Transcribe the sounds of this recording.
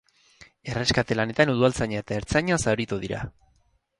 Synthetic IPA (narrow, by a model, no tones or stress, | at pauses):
e̞re̞skat̪e̞lane̞t̪anuðualt͡saɲaet̪ae̞ɾt͡saɲasaɾit̪uðiɾa̰